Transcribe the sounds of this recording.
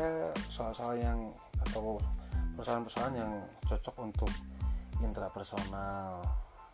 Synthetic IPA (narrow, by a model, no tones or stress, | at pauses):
sɔasaajaŋ | at̪awpɛrsaanpərsaanjaŋt͡ʃɔt͡ʃɔkunt̪ʊk̚int̪ɾapɛrsonal